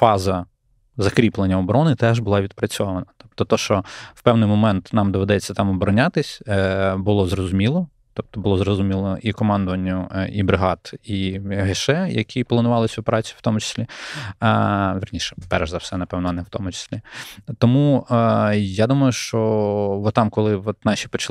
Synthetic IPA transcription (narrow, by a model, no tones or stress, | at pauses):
fɑzɐ | zɐkɾʲiplˠenʲːɐɔbɔɾɔnɪt̪ɛʒbʊlˠɑʋʲid̪̚pɾɐt͡sʲɔʋɐnɐt̪ɔ̥p̚t̪ɔt̪ɔʃt͡ʃɔwpɛwnɪjmɔmɛnt̪nɑmd̪ɔʋed̪ɛt͡sʲːɐt̪ɑmɔbɔɾɔnʲat̪ɪsʲbʊlˠɔzɾɔzʊmʲilˠɔ | t̪ɔp̚t̪ɔbʊlˠɔzɾɔzʊmʲilˠɔʔikɔmɑnd̪ʊʋɐnʲːʊibɾɪɦɑt̪iɦeʃɛjɐ̰kʲʰiplˠɐnʊʋɑlˠɪsʲɔpeɾɑt͡sʲijʊ̥wt̪ɔmʊt͡ʃɪ̥sʲlʲi | ʋʲɪrnʲiʃɛ̥pɛrʒzɐwsɛnɐpɛwnɔɐnɛwt̪ɔmʊt͡ʃɪ̥sʲlʲit̪ɔmu | jad̪umɐjʊʃt͡ʃɔʋɔt̪ɑmkɔlˠɪʋɔt̪nɑʃʲi̥pɔt͡ʃɐ